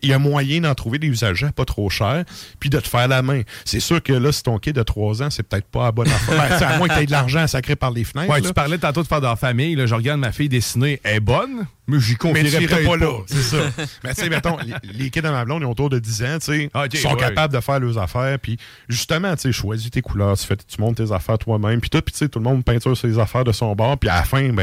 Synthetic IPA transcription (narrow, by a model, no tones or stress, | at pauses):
iləmwajɛ̃d̪ɑ̃t̪ʁuved̪eyzaʒapɔt̪ʁoːʃɛːʁpid̪ət̪ə̥fɛːʁlamɛ̃sesyːʁkəlʌsi̥t̪ɔ̃kʲɪd̪ət̪ʁwɑzãsɛpə̥t̪ɛɪt̪pɔabɔnɑ̃fɔaeawɛ̃ad̪əlaʁʒãːsakʁepaʁleːfnɛɪwɛlpaʁlɛd̪ət̪ɑ̃t̪od̪əfɛːʁd̪əlœːʁfamɪjlɔʒəʁɡad̪mafɪjd̪esineɛːbɔn | mɛʒikɔ̃mɛiʁɛiʁpɔlpɔsesɔmɛt͡semɛt̪ɔ̃lekʲɪd̪amablɔ̃d̪ɛot̪uːʁd̪əd̪izãt͡sesɔ̃kapabld̪əfæːʁløzafæːʁpi | ʒyst̪əmãt͡seʃwazit̪ekulœːʁt̪y̥fɛt̪t͡smɔ̃d̪̚t̪ezafɛːʁt̪wamɛ̃mpi̥t̪ʊt̪̚pi̥t͡set̪ulmɔ̃npɛ̃t͡syːʁsezafɛːʁd̪əsɔ̃bɑːʁpia̰fɛ̃bɛ̃